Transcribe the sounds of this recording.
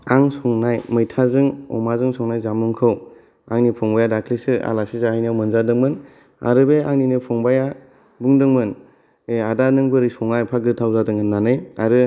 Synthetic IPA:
aŋsɔŋnajmɯjtʰazɯŋɔ̰mazɯŋsɔŋnajzamuŋkʰɯw | aŋnipʰɔŋbajadakʰlisɯa̰lasizahajnawmɯnzadɯŋmɯn | a̰ɾɯbeaŋninɯpʰɔŋbaja | buŋdɯŋmɯn | eadanɯŋbɯɾisɔŋnajpʰaɡɯtʰawzadɯŋhɯnːanɯjaɾɯ

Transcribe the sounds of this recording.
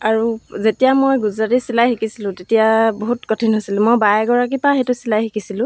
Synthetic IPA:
aɹuzetijamojɡuzatisilajxikisilʊ̃tetijaboɦutkɔtʰinɦojsilʊ̃mojbajɛɡɔɹak̬ipaɦejtʊsilajxikisilʊ̃

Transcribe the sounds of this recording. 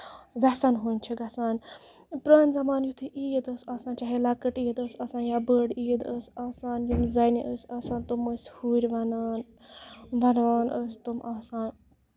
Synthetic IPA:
ʋʲɛsanɦunʲt͡ʃʰiɡɐsaːn | pɾaːnʲzɐmaːnjut̪ʰiʔiːjd̪əsaːsãːnt͡ʃaɦelɐkəʈiːəd̪əsɐːsaːnjaːbəːɖiːd̪əsaːsaːnjumzɐniʔəsʲɐːsaːnt̪uməsʲhuːɾʲʋɐnan | ʋɐnʋaːnʔəst̪umʔaːsaːn

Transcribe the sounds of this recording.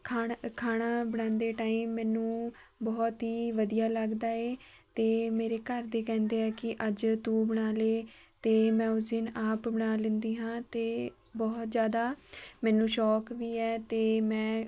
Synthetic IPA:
kʰakʰaːɽaːbəɽãːnd̪eːʈaːiːmːɛ̃ːnũː | bɔːt̪ɦiːʋəd̪ijaːləɡd̪aːeː | t̪eːmeːɾeːkəɾd̪eːkɛ̃ːnd̪eːɛːkɪʔəd͡ʒt̪ũːbəɽ̃aːleːt̪eːmɛ̃ːʊsɪnaːpbəɽ̃aːlɪ̃nd̪iːɦãːt̪eː | bɔːt̪zjaːd̪aːmɛ̃ːnũːʃɔːkʋiːɛːt̪eːmɛ̃ː

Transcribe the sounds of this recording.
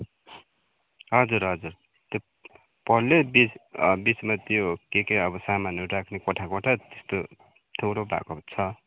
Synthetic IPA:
ɦʌd͡zuɾɦʌd͡zuɾ | t̪ʌ | pʌlebibit͡smat̪jokekeʌbʌsamanoɾakʰnekoʈʰakoʈʰat̪est̪o | t̪ʰoɾobʱa̰kot͡sʰʌ

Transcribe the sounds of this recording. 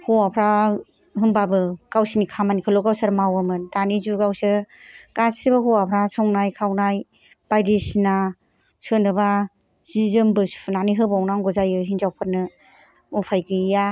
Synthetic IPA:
huwapʰɾa | ɦɯmbabɯkawsinikʰamanikʰɯlɔɡawsaɾmawamɯndanizuɡawsɯkassibaɦuwapʰɾasʰɔŋnajkʰawnaj | b̥ajdisina | sʰɯnɯba | z̥izɯmbɯsʰunaniɦɯbawnaŋɡɔzajɯɦinzawpʰɯt̚nɯ | upʰajɡɯja

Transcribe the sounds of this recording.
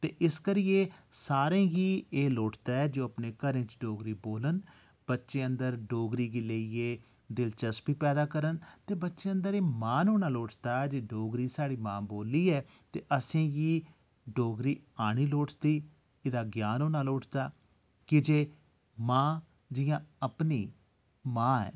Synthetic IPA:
t̪ḛːʔɪskəɾɪjeːsaːɾẽːɡiːeːloːʈʰt̪aːɛːd͡ʒoːəpneːkəɾẽːt͡ʃɖoːɡɾiːboːlən | b̥ətːʃeːənd̪əɾɖoːɡɾiːɡiːləieː | d̪ɪlt͡ʃəsbiːpɛːd̪aːkəɾənt̪eːbətːʃeːə̃nd̪əɾeːmãːnoːñaːloːʈʰt̪aːd͡ʒeːɖoːɡɾiːsaːɽiːmãːboːliːɛː | t̪eːʔəsẽːɡiː | ɖoːɡɾiːaːɽ̃iːloːʈʰt̪iː | ɪd̪aːɡjaːnoːnaːloːʈʰt̪aː | kɪd͡ʒeː | mãː | d͡ʒɪjãːəpniː | mãːɛ̰ː

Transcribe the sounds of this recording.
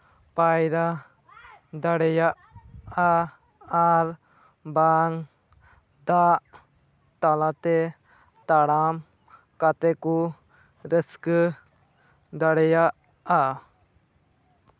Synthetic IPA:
pajɾa | d̪aɽɛjaʔa | aɾ | baŋ | d̪aʔ | t̪alat̪ɛ | t̪aɽam | kat̪ɛku | ɾəskə | d̪aɽɛjaʔ | a

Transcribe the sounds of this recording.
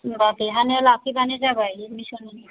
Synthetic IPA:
bakiɦanɛlakʰibanezabajmisɔni

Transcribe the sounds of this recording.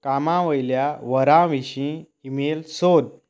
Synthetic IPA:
kamãʋəjljaʋəɾãʋiɕĩ | imelsod̪̚

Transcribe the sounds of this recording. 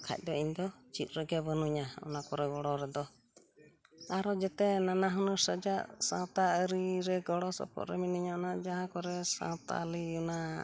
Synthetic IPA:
kʰa̰c̚ˀd̪ɔiɲnd̪ɔt͡ʃit̪̚ɾəɡɛbənuɲaɔ̰nakɔɾɛɡɔɽɔɾɛd̪ɔ | aɾɔd͡ʒɛt̪ɛnanaɦɔnəɾsəd͡ʒaʔsã̰t̪aəɾiɾɛɡɔɽɔsɔ̰pɔ̰ʔ̪ɾɛminiɲaɔnad͡ʒaɦãkɔɾɛsã̰t̪a̰liuna

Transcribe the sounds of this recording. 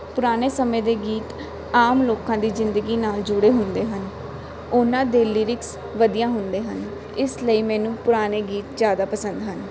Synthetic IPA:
pʊɾaːneːsəmẽːd̪eːɡiːt̪ | aːmloːkãːd̪iːzɪnd̪əɡiːnaːld͡ʒʊɽeːɦʊnd̪eːɦən | ʊnãːd̪eːlːiːɾɪks | ʋəd̪ijãːɦʊnd̪eːɦən | ɪsləiːmɛ̃ːnũːpʊɾaːneːɡiːt̪d͡ʒjaːd̪aːpəsənd̪ɦən

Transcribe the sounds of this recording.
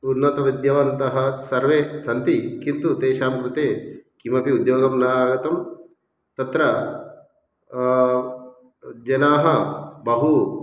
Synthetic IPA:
unːɐt̪ɐʋid̪jɐʋɐnt̪ɐɦɐsɐɾʋeːsɐnt̪ikint̪ut̪eːʃaːmkɾut̪eːkimɐpiud̪joːɡɐmnaːɡɐt̪ɐm | t̪ɐt̪ɾɐ | d͡ʒɐnaːɦɐbɐɦu

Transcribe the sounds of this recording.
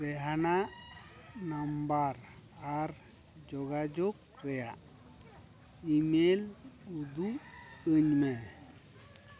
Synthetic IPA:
ɾɛɦana | nambaɾaɾ | d͡ʒɔɡad͡ʒoɡ | ɾɛja | imelud̪uəɲmɛ

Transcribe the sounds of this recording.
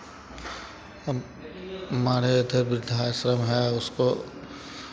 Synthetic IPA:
maːɽed̪ɐɾbɪɾd̪ʱaːjʃɾəmɦɛʊsko

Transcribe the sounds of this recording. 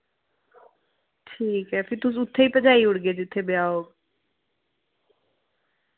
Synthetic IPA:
ʈʰiːkɦɛːpʰɪɾt̪ʊsʊt̪ʰːeːiːpəd͡ʒaːiːʊɽɡeːd͡ʒɪt̪ʰːeːbɪjaːoːɡ

